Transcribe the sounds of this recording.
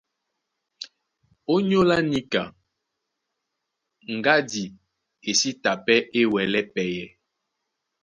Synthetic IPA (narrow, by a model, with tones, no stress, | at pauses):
o˦ɲo˦la˦ni˦ka˨ | ŋ̩˨ɡa˦di˨ | e˨si˦ta˨pɛ˦ʔe˦wɛ˨lɛ˦pɛ˨jɛ˨